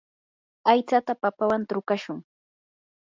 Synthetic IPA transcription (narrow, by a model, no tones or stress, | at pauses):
ajt͡sat̪apapawant̪ɾʊkaʃʊŋ